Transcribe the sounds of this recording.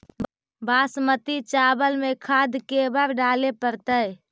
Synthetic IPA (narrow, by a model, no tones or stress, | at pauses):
baːsmət̪it͡ʃaːbəlmẽkʰaːd̪ʱkebəɾɖaːlepəɾt̪əj